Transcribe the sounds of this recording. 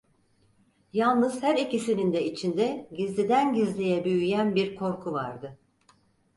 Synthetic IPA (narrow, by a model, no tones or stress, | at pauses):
jalˠnɯzhæɾicisinind̪ɛit͡ʃʰind̪ɛɟizlʲid̪ænɟizlʲijɛbyjyjænbiɾkʰo̞ɾkʰuvaɾd̪ɯ